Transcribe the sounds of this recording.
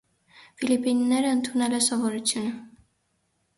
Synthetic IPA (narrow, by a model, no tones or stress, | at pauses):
filipinːɛɾəənt̪ʰunɛlɛsɔvɔɾut͡sʰjunə